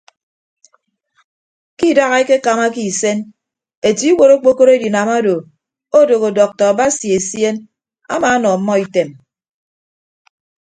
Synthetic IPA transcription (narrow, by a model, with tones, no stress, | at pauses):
ki˦˨da˦ɣa˦e˦ke˦ka˨ma˦ki˦˨se˦n | e˨ti˦i˦wo˨ɾo˦k͡po˦ko˦ɾe˦di˨na˨ma˦do˨ | o˦do˨ɣo˨dɔ˨k̚tɔ˨a˨ba˦si˨e˨sje˦n | a̰˦maː˨˦nɔ˨m̩˦mːɔ˦i˨te˨m